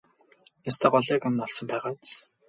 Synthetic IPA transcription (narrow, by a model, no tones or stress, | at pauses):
nast̪ʰæːɢɔɮæːkanːɔɮsɞ̆mpæːʁaːt͡s